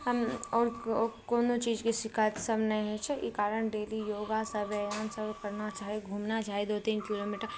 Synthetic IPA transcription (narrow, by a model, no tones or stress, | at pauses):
ɔːɾkoːnot͡ʃiːd͡ʒkisɪkʰaːjt̪səbnə̃ɦɛt͡ʃʰɛḭkaːɾəɳɖeːlijoːɡasəbɛaːnsəbkəɾnat͡ʃaːɦeɡʱuːmnat͡ʃaːɦed̪ot̪iːnkiloːmiːʈəɾ